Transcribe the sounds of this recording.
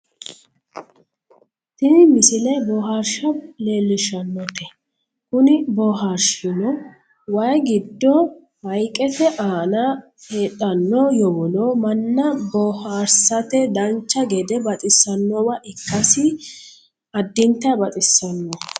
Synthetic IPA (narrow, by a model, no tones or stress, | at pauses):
t̪ɪnɪmɪsɪlɛbɔɦaɾʃɐleːlːɪʃɐnːɔt̪ɛ | kʊnɪbɔɦaɾʃɪnɔ | wɐjɡɪd̪ːɔ | wɐjkʼːɛtɛʔaːnɐ | heːtʼːɐnːɔjɔwɔlɔmɐnːɐbɔhaːɾsɐt̪ɛd̪ɐnt͡ʃːɐɡɛd̪ɛbɐt̪ʼɪsːɐnːɔwɐʔɪkːɐsɪ | ɐd̪ːɪnt̪ːɐbɐt̪ʼɪsːɐnːɔ